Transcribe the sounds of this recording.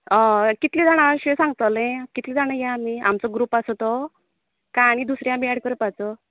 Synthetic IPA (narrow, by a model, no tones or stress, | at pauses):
ɔ̃kit̪lid͡zaɽ̃aɕesãŋɡ̚t̪alẽkit̪lid͡zaɽ̃əjaamia̰mt͡sɔɡɾuːpasɔt̪ɔ | kaɽ̃id̪usɾjãmiaɽkəɾəpat͡sɔ